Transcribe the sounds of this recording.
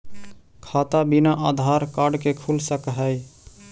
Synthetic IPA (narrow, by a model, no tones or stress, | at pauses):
kʰat̪abinaʔad̪ʱaɾkaɖkekʰulsəkɦəj